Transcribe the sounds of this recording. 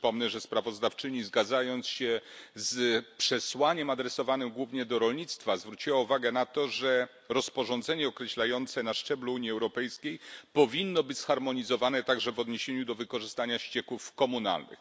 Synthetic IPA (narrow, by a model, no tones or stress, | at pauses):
pɔmnɛʐɛspɾavɔzd̪aft͡ʂɘɲizɡad̪zajɔnt̪sɕɛzpʂɛswaɲɛmad̪ɾɛsɔvanɘmɡwuvɲɛd̪ɔɾɔlɲit̪st̪fazvɾut͡ɕiwauvaɡɛnat̪ɔʐɛ | ɾɔspɔʐɔnd̪zɛɲɛɔkɾɛɕlajɔnt̪sɛnaʂt͡ʂɛbluuɲjiɛwɾɔpɛjskʲejpɔvʲinːɔbɘt͡ɕsxaɾmɔɲizɔvanɛt̪aɡʐɛvɔd̪ɲeɕeɲud̪ɔvɘkɔʐɘst̪aɲaɕt͡ɕɛkufkɔmuna̰lnɘ̰x